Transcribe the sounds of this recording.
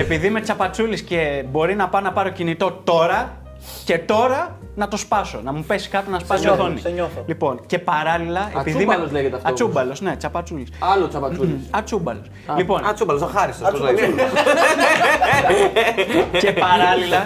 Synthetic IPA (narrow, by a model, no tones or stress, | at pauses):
epiðime̞t͡sɐpɐt͡sulisce̞bo̞ɾinɐpɐnɐpɐɾo̞cinit̪o̞t̪o̞ɾɐ | ce̞t̪o̞ɾɐ | nɐt̪o̞spɐso̞nɐmupe̞si̥skɐt̪onɐspɐsioθonḭɲoθlipo̞nce̞pɐɾɐlilɐepiðimelleʝet̪ɐftɐt͡subɐlo̞sne̞t͡sɐpɐt͡sulisɐlot͡sɐpɐuiɐt͡sumbɐ̰los | lipo̞nɐt͡subɐlosɐxɐɾist̪osoni | cepɐɾɐlilɐ